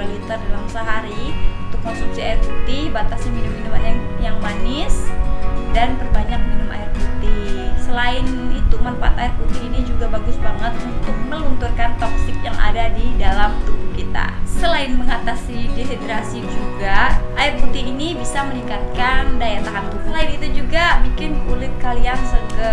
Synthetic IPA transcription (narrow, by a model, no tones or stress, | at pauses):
alit̪ərdalamsəɦaɾiunt̪ʊkːɔnsumsiaɪrput̪ibat̪asdiminumːinumanjaŋmanɪs | danbərbaɲak̚minʊma̰ɪrput̪ihsəlaɪnit̪umanfaat̪aɪrput̪ɪhinid͡ʒuɡabaɡʊsbaŋət̪̚unt̪ʊk̚məlunt̪urkant̪ɔksɪk̚jaŋʔa̰dadidalamt̪ubukit̪a̰səlaɪnməŋat̪asideset̪ɾasid͡ʒuɡaʔaɪrput̪ɪɦinibisaməniŋkat̪̚kandajat̪akant̪usəlaɪnit̪ud͡ʒuɡabikɪnkulɪt̪̚kaliansəkə